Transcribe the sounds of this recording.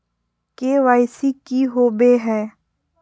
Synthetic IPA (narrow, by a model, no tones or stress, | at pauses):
keʋaːɪsikiɦoːbeɦɛː